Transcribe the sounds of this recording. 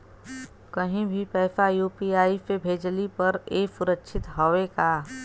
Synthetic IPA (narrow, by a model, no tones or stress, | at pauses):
kɐɦĩbʱipɛːfajuːpiaːipebʱeːd͡ʒlipɐɾeːsʊɾəkʃʰɪt̪ɦoʋekaː